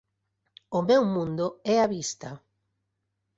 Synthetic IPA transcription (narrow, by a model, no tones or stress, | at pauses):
ʊmɛwmũnd̪ʊɛaβist̪a